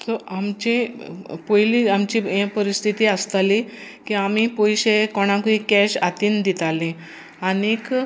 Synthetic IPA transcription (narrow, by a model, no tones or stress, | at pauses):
t̪ɔʔamt͡ɕĩpojliamt͡ɕijẽpəɾist̪ʰit̪iəst̪ali | kiamipojɕekɔɽ̃ãkuikɛɕat̪iːnd̪it̪alĩ | anik